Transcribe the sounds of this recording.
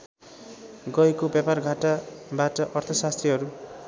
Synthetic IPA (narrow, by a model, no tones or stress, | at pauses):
ɡʌjkobjaparɡʱaʈabaʈʌʔʌrt̪ʰʌsast̪riɦʌɾu